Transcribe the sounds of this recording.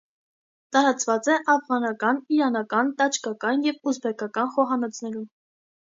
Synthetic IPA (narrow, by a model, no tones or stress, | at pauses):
t̪ɑɾɑt͡svɑt͡sɛʔɑfʁɑnɑkɑniɾɑnɑkɑnt̪ɑt͡ʃʰkɑkɑnjɛvuzbɛkʰɑkɑnχɔɦɑnɔt͡sʰnɛɾum